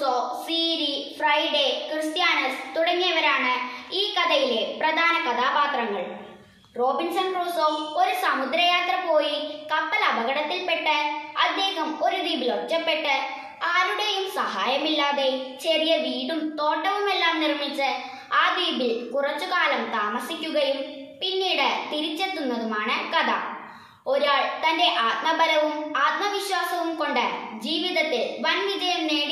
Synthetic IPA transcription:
oːsiːɾifrɐjɖekrɨst̪jaːnɐst̪uɽɐŋːijɐʋɐɾaːɳɨiːkɐd̪ɐjileprɐd̪ʱaːnɐkɐt̪ʰaːpaːt̪rɐŋːɐ̰ɭ | roːbinsɐnkruːsoːoɾusɐmud̪ɾɐjaːt̪rɐpoːjikɐpːɐlɐbɐɣɐɽɐt̪ːilpeʈːɨɐd̪jeːɣɐmo̞ɾuʋiːbilot͡ɕːɐpːeʈːɨ | aːɾuɳɖejumsɐɦaːjɐmilːaːðet͡ɕerijɐʋiːɽumt̪o̞ːʈːɐʋume̞lːaːmnirmit͡ɕːɨ | aːd̪iːbilkurɐt͡ɕːuɣaːlɐmt̪aːmɐsikʲːuɣɐjum | pinːiːɽɨt̪iɾit͡ɕːet̪ːunːɐðumaːɳɨkɐd̪a̰ | o̞ɾaːɭt̪ɐnde̞ʔaːt̪̚mɐbɐɾɐʋumaːt̪̚mɐʋiɕwaːsɐʋumko̞ɳɖɨd͡ʑiːʋiðɐt̪ːeʋɐnʋid͡ʑɐjɐmneːɽi

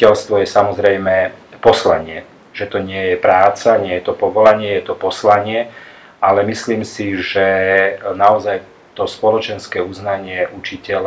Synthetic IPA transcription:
ɛlst̪ʋɔjɛsamɔzɾɛjmɛpɔslaɲɪɛ | ʒ̥ɛt̪ɔɲɪɛjɛpɾaːt͡saɲɪɛjɛt̪ɔpɔʋɔlaɲɪɛjɛt̪ɔpɔslaɲɪɛ | alɛmisliːmsiʒɛnaɔzaj | t̪ɔspɔlɔt͡ʃɛnskɛːuznaɲɪɛʔut͡ʃicɛl

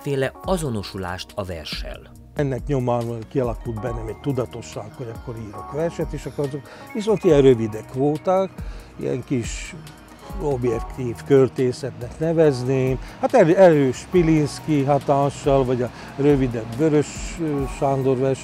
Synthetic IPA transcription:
feːlɛɒzo̞no̞ʃula̰ːʃt̪ʰɒvɛ̰rʃɛ̰l | ɛnːɛkɲo̞maːnkiɒlɒkuld̪bɛnːɛmɛɟ̚t̪ud̪ɒt̪o̞ʃːaːkhoɾɒkːo̞ɾiːɾo̞kʋɛrʃɛt̪eːʃɒkːoɾɒzok | ʋiso̞nt̪iɛnrøvid̪ɛkʋoːt̪aːkḭjɛ̰ŋkiʃ | o̞bjɛkt̪iːfkørt̪eːsɛt̪nɛknɛvɛzneːmhat̪ɛɾɛɾøːʃpilinskiɦɒt̪aːnʃɒlvɒɟɒ | røvid̪ɛbːøɾøʃʃand̪o̞rʋɛrʃ

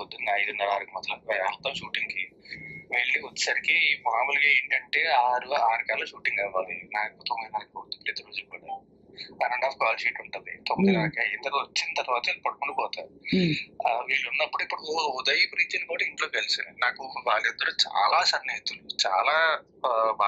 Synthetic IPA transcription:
od̪unɐɐjd̪unːɐɾaːɾukumɐt̪lɐalt̪ːaːmʃuːʈiŋkiʋiːɭːiot͡ʃːsɐɾikimaːmulɡaːe̞ːɳʈɐɳʈe̞ːaːɾuaːɾukaːlɐʃuːʈiŋɡaːʋaːlinaːkut̪oŋɐjnɐɾɐkod̪upɾiːt̪iɾoːd͡ʒulkaːɽa | ɐnɐɳɖaːfkaːlʃiːʈuɳʈund̪ḭt̪omd̪ɐkaːɾkɐind̪ɐɾiot͡ʃːinit̪ɐɾuʋaːt̪ɐind̪ipɐɽukuɳɖipɔːt̪aːɾi | ʋiːɭːunːɐpːuɽuipːuɽuud̪ɐjipɾiːt̪inikoːɽiɳʈloːkɐlisinnaːkuʋaːɭːid̪ːɐɾuːt͡ʃa̰ːlaːsɐnːɐt̪ulut͡ʃa̰ːlaː | bʱa

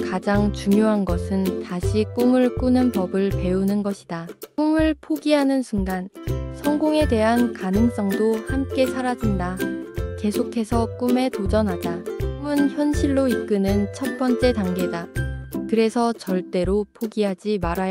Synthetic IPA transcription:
kad͡ʑaŋt͡ɕuŋjoɦanɡʌsʰɯntaɕʰik͈umɯɭk͈unɯnpʌbɯɭpe̞unɯnɡʌɕʰidak͈umɯɭpʰoɡiɦanɯnsʰuŋɡansʰʌŋɡoŋe̞de̞ɦankanɯŋs͈ʌŋdohamk͈e̞sʰaɾad͡ʑindake̞sʰokʰe̞sʰʌk͈ume̞tod͡ʑʌnɦad͡ʑakumɯnçjʌnɕʰiɭːoik͈ɯnɯnt͡ɕʰʌt̚p͈ʌnt͡ɕ͈e̞taŋɡe̞dakɯɾe̞sʰʌt͡ɕʌɭt͈e̞ɾopʰoɡiɦad͡ʑimaɾaj

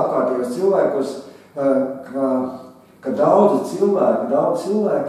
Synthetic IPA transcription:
p̚kaːɾt̪iːbast̪silˠvæːkus | ka | kad̪awd̪zit̪silˠvæːkkd̪awd̪t̪silˠvæːk

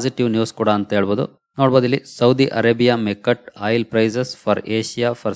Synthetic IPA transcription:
d͡ʒiʈiʋnjuːskuːɽɐːnt̪ɐeːɭboːd̪ṵ | noːɽbod̪ɐlːisɐwd̪iʔɐɾeːbijamekɐʈaːjlpɾɐjzesfʰɐɾeːʃijafʰɐɾ

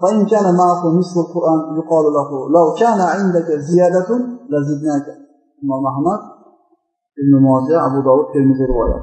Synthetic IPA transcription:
faʔɪnkʲaːnamaʕakʊmɪsfalqʊɾʔaːnjʊqɑːllaɦʊlawkʲʰaːnaʕɪnd̪akazɪjaːd̪alazɪd̪naːka | ɪmaːmʔaɦmad̪̚ | ʔɪbnʊmɑːzɪaʔabud̪aːwuːd̪̚k̪ʰelmɪzɪɾɪwɑ̰ːja̰t̪

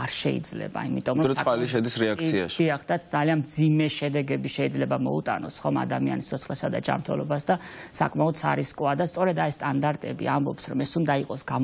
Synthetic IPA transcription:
aɾʃɛ̰ḭd̪zlɛ̰ba̰imit̪ʼɔmɾɔaliʃɛd̪isɾɛak̪sʰia̰ʃiaχd̪at̪sʰd̪zalianmd̪zimɛʃɛd̪ɛɡɛbiʃɛid̪zlɛbamɔ̰ṵt̪ʼa̰nɔsχɔma̰d̪amia̰nist̪ːʰɔt̪sʰχlɛsad̪a̰d͡ʒa̰mɾt̪ʰɛ̰lˠɔ̰basd̪asa̰kʼmaɔd̪sʰa̰ɾiskʼwad̪ast̪sʼɔɾɛd̪aist̪ʼand̪aɾt̪ʼɛbḭambɔ̰psɾɔmɛsund̪aiqʼɔsɡ̥a

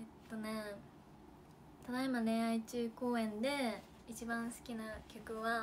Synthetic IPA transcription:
et̪ːo̞ne̞ | t̪ad̪aimaɾẽ̞ɰait͡ɕɨːko̞ːẽ̞nd̪e̞ | it͡ɕibãɰ̃sɨ̥kʲinakʲokɯ̟βa

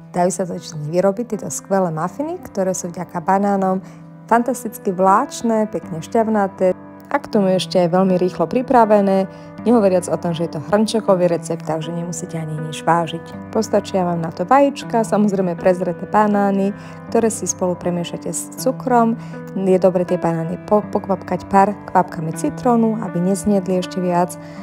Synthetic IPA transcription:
d̪̥ajusazat͡ʃɲiʋiɾɔbict̪ːɛt̪ɔskʋɛlɛːmafinikt̪ɔɾɛːsuvɟakabanaːnɔm | fant̪ast̪it͡skiʋlaːt͡ʃnɛːpɛkɲɛʃcaʋnat̪ɛː | ʔakt̪ɔmuɛʃcɛɛjʋɛʎmiɾiːxlɔpɾipɾaʋɛnɛː | ɲɛɦɔʋɔɾɪad͡zɔt̪ɔmʒɛjɛt̪ɔɦr̩nt͡ʃɛkɔʋiɾɛt͡sɛp̚t̪ːaɡʒɛɲɛmusicɛaɲiaɲid͡ʒʋaːʒicpɔst̪at͡ʃiaʋaːmnat̪ɔʋajit͡ʃkasamɔzɾɛɪmɛpɾɛzɾɛt̪ɛbanaːni | kt̪ɔɾɛːsispɔlupɾɛmɪɛʃacɛs | t͡sukɾɔm | jɛd̪ɔbɾɛt̪ɪɛbanaːnipɔpɔkʋapkacpaːɾkʋap̚kamit͡sit̪ɾɔnua̰biɲɛzɲɪɛd̪liɛʃcɛʋɪat͡s

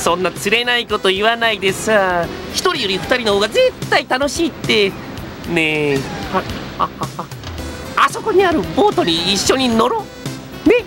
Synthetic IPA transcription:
sõ̞nːat͡sɨɾe̞naikot̪o̞iβanaid̪esaçi̥t̪o̞ɾʲijoɾʲiɸɯ̥t̪aɾʲino̞hoːɡad͡ze̞t̪ːait̪ano̞ɕiːt̪ːe̞ | nehahahaha | aso̞ko̞ɲ̟iaɾɯ̟bo̞ːt̪o̞ɲ̟iːɕːo̞ɲ̟ino̞ɾo | ne̞

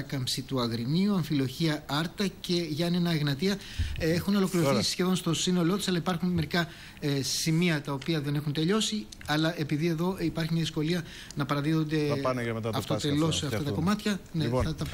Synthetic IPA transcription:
ɐkɐmsit̪uɐɣɾiniuɐɱfilo̞çiɐɐɾt̪ɐce̞ʝɐɐnenɐeɣnɐt̪iɐ | exunolo̞kliɾoθsisçe̞ðo̞nst̪o̞sino̞lo̞t̪isɐlɐipɐɾxunme̞ɾikɐ | simiɐt̪ɐopiɐðe̞ne̞xunt̪e̞ʎo̞si | ɐlɐʔe̞piðie̞ðo̞ipɐɾçimɲɐðisko̞liɐ | nɐpɐɾɐðiðond̪e̞net̪ɐtɐft̪ot̪elo̞seɐft̪ɐt̪ɐko̞mɐt̪çɐneɐt̪ɐ

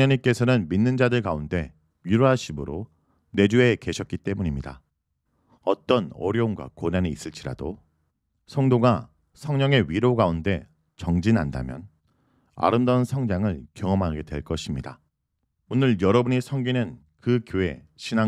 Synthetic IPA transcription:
aɲik͈e̞sʰʌnɯnminːɯnd͡ʑadɯɭkaunde̞ | ɥiɾoɦaɕʰimɯɾo | ne̞d͡ʑue̞ke̞ɕʰʌt̚k͈it͈e̞muɲimɲida̰ | ʌt͈ʌnʌ̰ɾjoonɡwa̰konaniːs͈ɯɭt͡ɕ͈iɾa̰do | sʰʌŋdoɡa | sʰʌŋɲʌŋe̞ɥiɾoɡaunde̞ | t͡ɕʌŋd͡ʑina̰nda̰mjʌ̰n | a̰ɾɯmdansʰʌŋd͡ʑaŋɯɭkjʌŋʌmɦaɡe̞dwe̞̰ɭk͈ʌɕʰimɲida̰ | unɯɭjʌɾʌbuɲisʰʌŋɡinɯn | kɯkjoe̞̰ | ɕʰina

